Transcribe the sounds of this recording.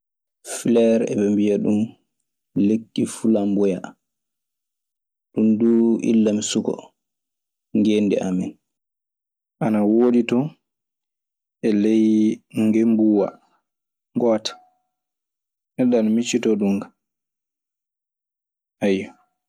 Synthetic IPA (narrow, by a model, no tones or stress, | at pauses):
filɛɾɛ̰bɛmbijaɗum | lekːifulambɔja | ɗumduʔḭlːamsukɔ̰ | ŋɡendɛ̰ʔamin | ʔanawoːditɔ | ɛlejŋɡembuwa̰ | ŋɡɔːtḁ | nɛɗːanmit͡ʃːitɔɗumɡa | ʔajːɔ